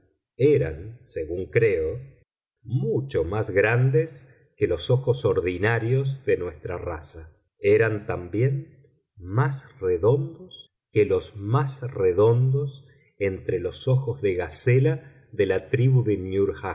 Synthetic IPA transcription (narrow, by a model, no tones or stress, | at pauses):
eɾa̰nseɣuŋkɾeo | mut͡ʃomazɣɾand̪es | kelo̞soxosoɾðinaɾjo̞zðenwest̪ɾarasa | eɾant̪ambje̞n | masreðo̞nd̪os | kelo̞zmasreðo̞nd̪os | ent̪ɾelo̞so̞xozðe̞ɣasela | ðelat̪ɾiβuðenjuɾxa